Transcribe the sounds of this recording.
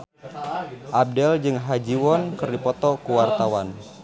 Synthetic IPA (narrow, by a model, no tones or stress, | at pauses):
ʔab̚dɛld͡ʒɨŋɦad͡ʒiwɔnkərdipɔt̪ɔkuwart̪awan